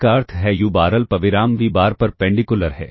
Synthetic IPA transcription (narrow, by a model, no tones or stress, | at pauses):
kaːɾt̪ʰɦɛjubaːɾəlpɐʋɪɾaːmʋibaːɾpɐɾpɛ̃ːɳɖikʊləɾɦɛ̰ː